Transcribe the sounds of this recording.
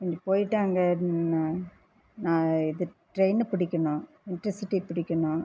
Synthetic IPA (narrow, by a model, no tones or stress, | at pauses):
kɐɲd͡ʒɐpoːjɪʈːaːŋɡɐ | nãːɪðɯʈɾeɪnpɪɽɪkʲːɐɳʊ̃ | ɪnʈɾɐsɪʈːipɪɽɪkʲːɐɳʊ̃